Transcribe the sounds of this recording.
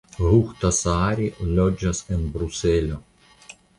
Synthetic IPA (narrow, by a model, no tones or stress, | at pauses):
ɣuxt̪ɐsaːɾʲilʲɔd͡ʒɐsɪnbɾuselʲo